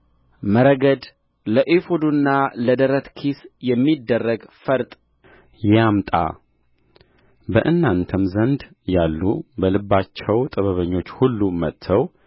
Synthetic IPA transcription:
məɾəɡəd̪ | ləʔefod̪unːaləd̪əɾət̪kʰisjɛmːid̪ːərːəɡfəɾt̪ʼ | jamt̪ʼa̰ | bəʔɨnːant̪ʰəmzənd̪ | jalːubəlɨbːat͡ʃːɛwt̪ʼəβəβəɲːo̞t͡ʃːhulːumət̪ʰːəw

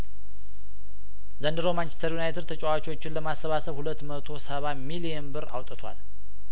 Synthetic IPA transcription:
zənd̪ɨɾomant͡ʃʰɛ̥st̪ʰəɾjunajt̪ʰəɾt̪ʰət͡ʃʼɛwat͡ʃo̞t͡ʃːɪnləmasːəβasəβhulət̪ːmət̪ʰo̞səβamilijənbɨɾa̰wt̪ʼət̪ʰwa̰l

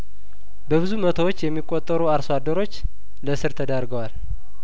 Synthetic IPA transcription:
bəβɨzumət̪ʰəwot͡ʃːjɛmːikʼːot̪ʼːəɾuaɾsoad̪ːəɾo̞t͡ʃː | ləsɨɾt̪ʰəd̪əɾɡəwal

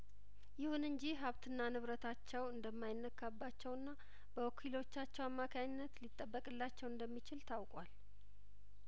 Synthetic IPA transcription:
jɪhunɨɲd͡ʒiɦaβt̪ʰɨnːanɨβɾət̪ʰat͡ʃːɛwɨnd̪əmːajɪnːəkʰːabːat͡ʃːɛwɨnːa | b̥əokʰilo̞t͡ʃːat͡ʃːɛwamːakʰaɲɪnːət̪lit̪ʼːəbːəkʼɨlːat͡ʃːɛwɨnd̪əmːit͡ʃɪlt̪ʰawkʼwal

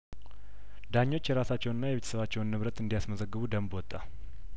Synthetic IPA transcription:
d̪aɲːo̞t͡ʃːjɛɾasat͡ʃːɛwnɨnːajɛβet̪ʰə̥səβat͡ʃːɛwnːɨβɾət̪ʼɨnd̪ijasməzəɡːɨβud̪əmbwɔt̪ʼːa

